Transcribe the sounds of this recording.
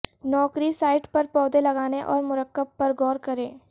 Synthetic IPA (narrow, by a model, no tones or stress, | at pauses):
nɔːkɾisaːɪʈpɐɾpɔːd̪elɐɡaːneʔɔ̰ːɾmʊɾəkːəb̚pɐɾɡɔːɾkɐɾẽː